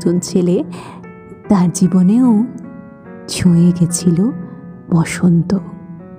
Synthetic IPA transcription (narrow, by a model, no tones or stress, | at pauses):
d͡ʑont͡ɕʰele | t̪aɾd͡ʑiboneo | d͡ʑʰʱojeɡet͡ɕʰilob̥ɔʃont̪o